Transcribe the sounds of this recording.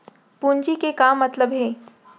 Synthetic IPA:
puɲd͡ʑikekamːət̪ləbɦeː

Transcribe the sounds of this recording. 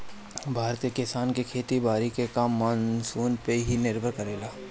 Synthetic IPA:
bʱaːɾt̪iekɪsaːnkekʰeːt̪ibaːɾikekaːmːaːnsuːnpeɦinɪɾbʱəɾkɐɾeːlaː

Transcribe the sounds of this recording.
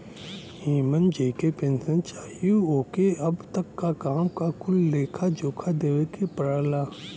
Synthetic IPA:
iːmənd͡ʒeːkepẽːnsə̃nt͡ʃaːjuoːkeɐbt̪əkːakaːmkakʊlːeːkʰad͡ʒoːkʰad̪eːwekʰepɐɾaːlaː

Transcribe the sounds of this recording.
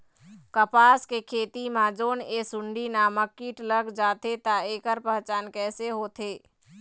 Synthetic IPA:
kəpaːskekʰeːt̪imãd͡ʒoːneːsʊ̃ɳɖinaːməkːiːʈləɡd͡ʒaːt̪et̪aeːkəɾpəɦt͡ʃaːnkɛːseɦoːt̪ʰeː

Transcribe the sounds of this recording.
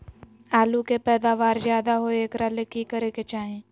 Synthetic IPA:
aːlukepɛːd̪aːʋaːɾzjaːd̪aɦoeːkɾalekikəɾeket͡ʃaːɦẽː

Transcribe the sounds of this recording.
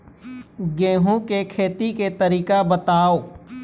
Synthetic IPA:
ɡẽːɦõkekʰeːt̪iket̪əɾiːkabət̪aːoː

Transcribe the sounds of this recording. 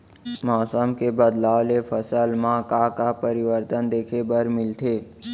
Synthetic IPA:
mɔːsəmkebəd̪laːʋlefʰəsəlmãkakapəɾɪʋəɾt̪ənd̪eːkʰebəɾmɪlt̪ʰeː

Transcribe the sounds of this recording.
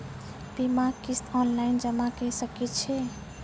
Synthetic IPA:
bimakist̪ɔnlaɪnd͡ʒəmakɛsəkɛt̪t͡ʃʰɛ

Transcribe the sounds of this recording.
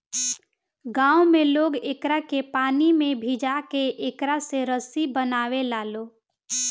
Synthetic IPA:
ɡãːomẽloːɡeːkɾakepaːnimẽbʱid͡ʒakeʔeːkɾaseɾəsibənaːʋelaːlo

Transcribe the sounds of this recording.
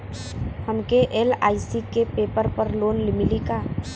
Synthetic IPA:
həmkeʔeːla̰ːisikepeːpəɾpəɾloːnlɪmɪlikaː

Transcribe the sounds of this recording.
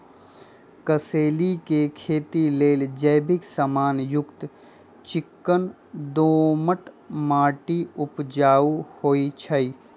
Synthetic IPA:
kəseːlikekʰeːt̪ileːld͡ʒəjbɪksamaːnjʊkt̪ | t͡ʃɪkːən | d̪oːməʈ | maːʈiʊpd͡ʒaːuhoːit͡ʃʰəi

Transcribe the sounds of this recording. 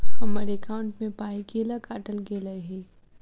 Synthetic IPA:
ɦɐməɾekʰaːʊɳʈmẽpaːiɡeːlakaːʈəlɡeːlaɦɛː

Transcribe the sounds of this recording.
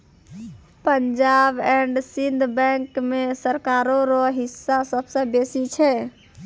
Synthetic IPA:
pəɲd͡ʒabɛɳɖsind̪ʱbɛ̃ŋkmesəɾkaɾoɾɔɦisːasəbsə̃besit͡ʃʰɛ

